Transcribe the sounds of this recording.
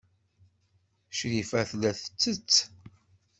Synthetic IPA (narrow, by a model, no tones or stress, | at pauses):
ʃɾifæθlæθə̥t͡sːət͡sː